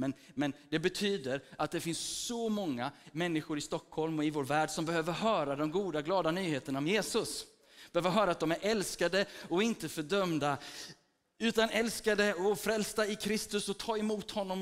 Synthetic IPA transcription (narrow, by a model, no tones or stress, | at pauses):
mɛnmɛnd̪ɛbɛt̪ʰyːd̪əɾat̪̚d̪ɛɾfɪnssɔmɔŋːamɛnːɪɧʊɾɪst̪ɔkʰhɔlmɔɪvoːɾvæːɖsɔmbɛhøːvəɾɦœːɾad̪ɔmɡuːd̪aɡlɑːd̪anyːheːt̪əɳaɔmjeːsɵs | b̥ɛhøːvəɾɦœːɾat̪̚d̪ɔmæɾʔɛlskad̪əɔɪnt̪əfœɖœmd̪a | ʉ̟ːt̪anɛlskad̪əɔfɾɛlst̪aɪkʰɾɪst̪ɵsɔt̪ʰɑːɛmuːt̪hɔnːɔm